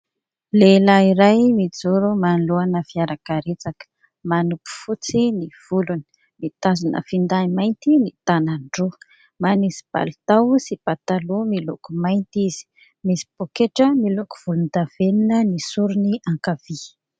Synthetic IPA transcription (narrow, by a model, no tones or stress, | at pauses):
lelaiɾajmid͡zuɾumanluanəfiaɾakaɾet͡sakə̥ | manupu̥fut͡siniv̥uluni̥ | mit̪azunʔə̰find̪aimajnt̪init̪anaɳɖ͡ʐu | manisi̥b̥a̰lut̪awsipat̪alumilokumajnt̪iz̥i̥ | misi̥b̥okeʈ͡ʂəmiloku̥v̥ulund̪av̥eninənisuɾuniaŋkavi